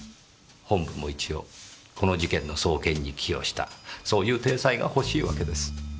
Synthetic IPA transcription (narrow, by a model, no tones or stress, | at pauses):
hõ̞mbɯmo̞it͡ɕijo̞kʰo̞no̞ʑikẽ̞nːo̞so̞ːkẽ̞ɲ̟ːikʲʰijo̞̰ɕi̥t̪a̰so̞ːjɯ̟ːt̪e̞ːsaiɡa̰ho̞ɕiːβake̞d̪e̞sɨ̥